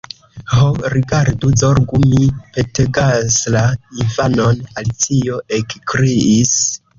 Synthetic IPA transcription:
hoɾiɡaɾduzoɾɡumipe̞teɡaslaivano̞nalit͡sio̞ekkɾiis

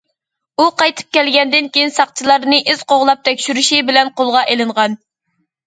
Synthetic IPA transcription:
uqɑjt̪ʰɨ̥p̚kʲɛlɡʲɛnd̪ɪnkʲejinsɑqt͡ʃʰilˠɑɾnɨʔyz̥qoʁlˠɑp̚t̪ʰɛkʲʃyɾyʃibɪlɛnqʰolˠʁɑʔelɨɴʁɑn

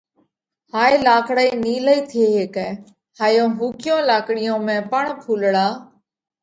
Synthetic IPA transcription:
haːeːlaːkɽaːiːniːləiːt̪ʰeːɦeːkɛ̃ː | haːjõːɦuːkɪjõːlaːkɽɪjõːmẽːpəɳpʰuːlɽaː

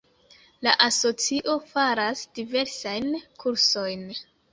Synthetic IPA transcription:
laʔaso̞t͡siʔo̞faɾasd̥ive̞ɾsajnkʰuɾso̞jn

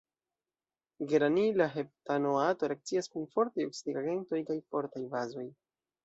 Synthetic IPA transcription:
ɡeɾanilaɦe̞p̚tanoato̞ɾeak̚t͡siaskunfo̞ɾtajoksidiɡaɡe̞nto̞jkajfo̞ɾtajbazo̞j

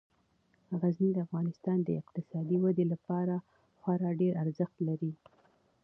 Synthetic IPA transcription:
aɣaznid̪əafɣɑnɪst̪ɑnd̪əɪqt̪ɪsɑd̪iwad̪elapɑɾa | xwɑɾɑɖeɾaɾzəxt̪laɾi

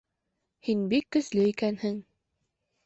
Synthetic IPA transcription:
hinbikːɵ̆slɘikænhɘŋ

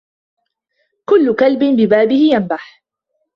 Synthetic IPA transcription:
kʊlːʊkalbɪnbɪbaːbɪhɪjanbaħ

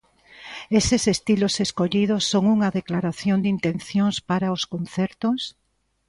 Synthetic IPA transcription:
esɪsest̪iloseskoʎið̞osːoŋuŋɐðeklaɾaθjond̪int̪ẽnθjoŋspaɾaoskonθɛɾt̪os

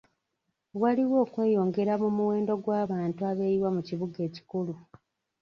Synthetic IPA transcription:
waliwo̞ːkwe̞ːjo̞ːŋɡe̞ɾamumuwe̞ːndo̞ɡwaːβaːntuaβe̞ɾiwamuciβuɡe̞ːci̥kulu

